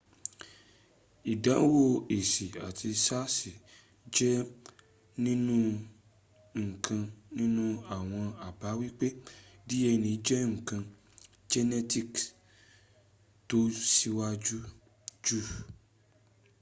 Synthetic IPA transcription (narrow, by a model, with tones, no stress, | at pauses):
i˨dã˨˦wo˦e˨si˨a˨ti˧sa˦si˨ | d͡ʒɛ˦ | nĩ˦nũ˦ | ŋ̩˨kʰã˧nĩ˦nũ˦a˨w̃ɔ̃˧a˨ba˨˦wi˦k͡pe˦di˦ɛ˧nĩ˨˦d͡ʒɛ˦ŋ̩˨kã˧ | d͡ʒɛ˦nɛ˦ti˦k | to˦si˦wa˦d͡ʒu˦ | d͡ʒu˦